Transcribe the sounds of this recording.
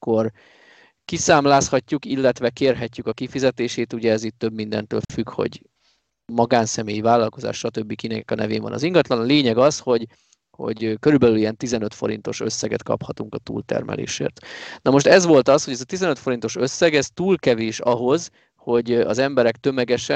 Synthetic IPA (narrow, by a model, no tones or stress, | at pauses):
ko̞r | kisaːmlaːshɒcːukilːɛt̪ʋɛkeːrɦɛcːykɒkifizɛt̪eːʃeːt̪uɟɛːzit̪ːø̞bmind̪ɛ̰nt̪ø̰ːlfykho̞̰ɟ | mɒɡaːnsɛmeːjivaːlːɒlko̞za̰ːʃʃɒt̪øbːikinɛkɒnɛvḛːɱvɒ̰nɒ̰ziŋɡɒt̪lɒnleːɲɛɡɒsho̞ɟ | ho̞̰ɟkø̞ɾybɛlylijɛnt̪izɛnøt̪fo̞ɾḭnt̪o̞̰ʃø̞sːɛɡɛ̰t̪kɒ̰phɒt̪uŋkɒt̪ṵːlt̪ɛ̰rmʔɛ̰lḛːʃḛːrt̪nɒmo̞ʃt̪ɛzʋo̞lt̪ɒsho̞ɟɛzɒt̪izɛnøt̪fo̞ɾint̪o̞ʃø̞sːɛɡɛst̪uːlkɛveːʃɒɦo̞z | ho̞ɟɒ̰zɛmbɛɾɛk̚t̪ø̞mɛɡɛʃɛ